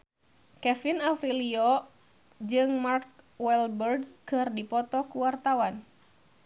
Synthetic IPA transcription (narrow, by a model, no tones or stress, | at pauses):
kɛfinafɾiliɔ | d͡ʒɨŋmark̚wɛlbɛrdkɨrdipɔt̪ɔkuwart̪awan